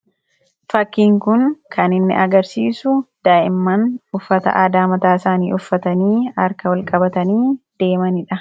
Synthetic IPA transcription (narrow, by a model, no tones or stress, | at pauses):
fɐkːiːŋkʊŋkʰɐnɪnːɪ̰ʔɐɡɐɾsiːsʊd̪̥aːʔɪmːɐnʊfːɐt̪ɐ̰ʔɐd̪aːmɐt̪aːɪsaːnḭːʔʊfːɐt̪ɐniːɐɾkɐwɐlkʼɐbɐt̪ɐniːd̪̥e̞ːmɐnɪᶑɐ